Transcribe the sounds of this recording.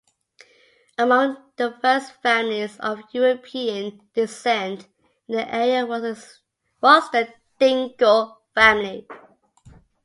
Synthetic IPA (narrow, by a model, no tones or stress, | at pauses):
əmʌ̃ŋðəfɜstfæmlizʌ̰vjuɹəpʰiə̃n | d̥ɪsɛ̃nt | ðiʔɛɹiə | wɔzðə | θɪ̃ŋɡəlˠ | fæmli